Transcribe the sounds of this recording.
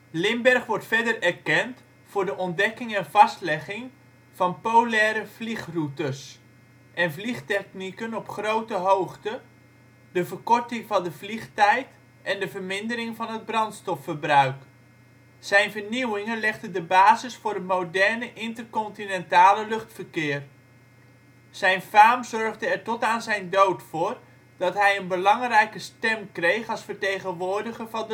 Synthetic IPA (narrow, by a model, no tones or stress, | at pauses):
lɪmbɛrχʋɔɹtfɛdərɛrkɛnt | fʊːɹdəʔɔn̚dɛkɪŋɛnvɑstlɛχɪŋ | v̥ɑnpolɛːɾəvliχrutəs | ʔɛnvliχtɛknikənɔpχrowtəɦowχtə | d̥əvərkɔrtɪŋvɑndəvliχtɛjt | ʔɛndəvərmɪndəɾɪŋvɑnɦəd̚brɑntstɔfːərbrœɥk | zɛjnvəɹniwɪŋənlɛχdədəbaːzɪsfʊːɹdəmowdɛɹnəʔɪntərkɔntinɛntaːləlɵχtfərkɪːr | z̥ɛjnfaːmzɔɹvdəɛɹtɔtaːnzɛjndowtfʊːr | d̥ɑtɦɛjənbəlɑŋrɛjkəstɛmkrejχɑlˠsfəɹtejχənʋʊːɹdəχəvɑndə